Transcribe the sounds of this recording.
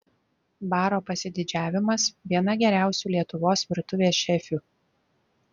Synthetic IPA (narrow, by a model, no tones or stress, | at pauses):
bɑːɾoːpɐsʲɪd̪ʲɪd͡ʒʲæːʋʲɪmɐsʋʲiɛn̪ɐɡʲɛɾʲæˑʊsʲuːlʲiɛt̪ʊʋoːsʋʲɪɾt̪ʊʋʲeːsʃʲɛfʲuː